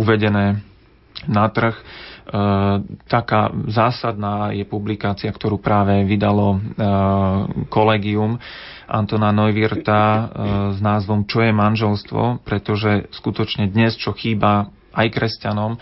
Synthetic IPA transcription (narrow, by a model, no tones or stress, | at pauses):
uʋɛɟɛnɛː | nat̪r̩x | t̪aka̰ːzaːsad̪naːjɛpublikaːt͡siakt̪ɔɾuːpɾaːʋɛʋid̪alɔ | kɔlɛːɡium | ʔa̰nt̪ɔnanɔjʋiɾt̪a | znaːzʋɔmt͡ʃɔjɛmanʒɛlst̪ʋɔ̰pɾɛt̪ɔʒɛskut̪ɔt͡ʃɲɛd̪ɲɛst͡ʃɔxiːba | ajkɾɛscanɔm